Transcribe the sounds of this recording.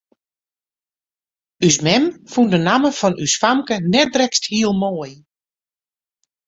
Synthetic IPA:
ys̬mɛmfundənaməfɔnʔysfamkənɛt̚drɛksthiəlˠmoːəj

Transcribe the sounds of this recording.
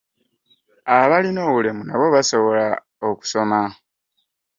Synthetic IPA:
aβalino̞ːβulemunaβo̞βaso̞βo̞la | oku̥so̞ma

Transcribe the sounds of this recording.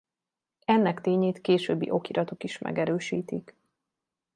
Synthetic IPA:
ɛnːɛkt̪eːɲeːt̪keːʃøːbːḭʔo̞kiɾɒt̪okiʃmɛ̰ɡɛɾøːʃiːt̪ik

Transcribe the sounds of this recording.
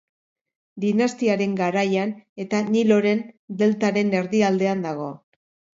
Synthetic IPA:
d̪inast̪iaɾe̞ŋɡaɾajane̞t̪anilo̞ɾe̞nd̪e̞lt̪aɾe̞ne̞ɾðiald̪e̞and̪aɣ̞o̞

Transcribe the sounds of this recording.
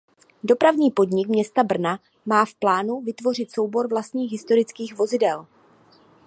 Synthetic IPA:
do̞pɾavɲiːpo̞dɲɪkmɲɛst̪abr̩na | maːfplaːnuvɪt̪vo̞r̝ɪt̪so̞wbo̞ɾvlast̪ɲiːxɦɪst̪o̞ɾɪt͡skiːxvo̞zɪdɛl

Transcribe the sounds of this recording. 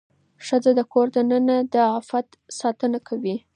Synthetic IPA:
ʃəd͡zad̪əkoɾd̪ənənad̪əafat̪ | sɑt̪ənakʰawi

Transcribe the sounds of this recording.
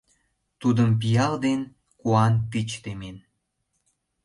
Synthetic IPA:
t̪ud̪əmp̬ijɑld̪en | kuɑnt̪it͡ɕt̪emen

